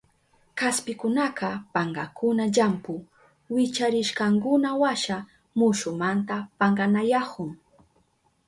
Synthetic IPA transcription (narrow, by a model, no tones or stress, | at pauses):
kaspɪkʊnaqɑpaɴɢɑkʊnaʎampʊ | wɪt͡ʃaɾɪʃkɑŋkʊnawaʃa | mʊʃʊmant̪apaɴɢɑnajakʊŋ